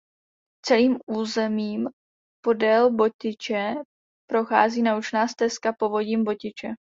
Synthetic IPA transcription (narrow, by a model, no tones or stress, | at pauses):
t͡sɛliːmuːzɛmiːm | po̞dɛlbo̞cɪt͡ʃɛ | pɾo̞xa̰ːziːnaut͡ʃnaːst̪ɛskapo̞vo̞ɟiːmbo̞cɪt͡ʃɛ